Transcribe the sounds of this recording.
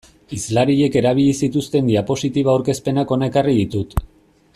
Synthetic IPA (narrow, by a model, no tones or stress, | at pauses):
izlaɾiʎe̞ke̞ɾaβ̞iʎisit̪ust̪e̞nd̪iapo̞sit̪iβaːwɾke̞spe̞nako̞nekariðit̪ut̪